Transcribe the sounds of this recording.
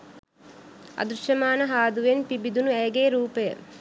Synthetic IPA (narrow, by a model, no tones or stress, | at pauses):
ɐ̰d̪ɾuʃɐmaːnɐɦaːd̪uʋenpibid̪unuɛjɐɡeːɾuːpɐjɐ̰